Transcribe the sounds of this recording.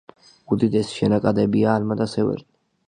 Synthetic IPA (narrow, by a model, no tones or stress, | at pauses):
ud̪id̪ɛsʃɛnakʼad̪ɛbiaːlmad̪asɛvɛ̰ɾni